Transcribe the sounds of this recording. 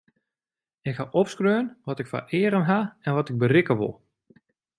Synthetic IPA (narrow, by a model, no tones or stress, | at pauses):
ɪkhaʔɔpskrøːnʋɔtɪkfa̰ʔɪːɾənɦaɛnʋɔtɪɡ̚bərɪkəʋo̰lˠ